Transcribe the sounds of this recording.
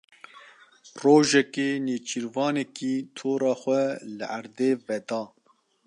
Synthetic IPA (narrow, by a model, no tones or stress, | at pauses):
roːʒɛkeːneːt͡ʃʰiɾvɑːnɛkiːt̪ʰoːɾɑːxʷɛlɨʔæɾd̪eːvɛd̪ɑː